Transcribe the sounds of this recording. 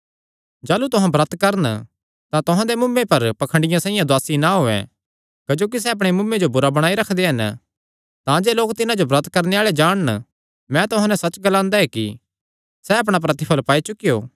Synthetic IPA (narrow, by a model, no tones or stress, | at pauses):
d͡ʒaːlut̪ʊɦãbɾɐt̪kɐɾən | t̪ãt̪ʊɦãd̪emʊmːepɐɾpɐkʰə̃ɳɖɪjãsɛ̃ːɪ̃jãd̪waːsinaɦoːɛ̰̃ | kɐd͡ʒoːk̬is̬ɛɐpɽ̃emʊmːẽd͡ʒobʊɾabɐɽ̃aːiɾɐkʰd̪eɦɐn | t̪ãd͡ʒeːloːk̚t̪ɪnãd͡ʒobɾɐt̪̚ʰkɐɾneaːɭed͡ʒaːɽ̃ən | mɛ̃t̪ʊɦãnɛ̃sɐt͡ʃɡɐlãːnd̪aɦɛkḭ | sɛɐp̬ɽ̃ap̬ɾɐt̪ɪpʰəlpaːit͡ʃʊkɪjoː